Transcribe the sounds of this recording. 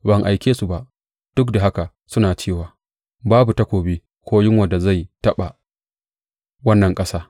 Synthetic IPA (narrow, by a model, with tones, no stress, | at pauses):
bɐ˨ŋʔa˨jkʲeː˦su˨ba˨ʔ | d̥ʊ˦kda˨ɦa˦ka˨ | sʊ˦naː˨t͡ʃeː˦˨waː˨ | baː˦bu˨tɐ˦kʷoː˨bi˦ | kʷʰoː˦jɪ˦ŋwɐ˨da˨za˦˨jtɐ˦ɓa˨ | wɐ˦nːɐ˨ŋkʼɐ˦saː˦